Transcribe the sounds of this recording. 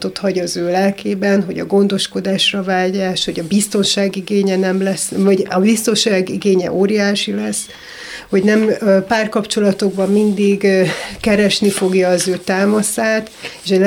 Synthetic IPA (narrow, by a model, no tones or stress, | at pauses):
t̪o̞t̪hɒɟɒzøːlɛlkʰeːbɛnɦo̞ɟɒ̰ɡo̞nd̪o̞ʃko̞d̪aːʃrɒvaːɟaːʃho̞ɟɒbist̪o̞nʃaːɡiɡeːɲɛnɛmlɛsvɒɟɒbist̪o̞nʃaːɡiɡeːɲɛ̰ʔoːɾijaːʃilɛsː | ho̞ɟnɛmpaːrkɒpt͡ʃo̞lɒt̪o̞ɡbɒmmind̪iɡkɛɾɛʃnifo̞ɡjɒːzøːt̪aːmɒsaːt̪eʃɛl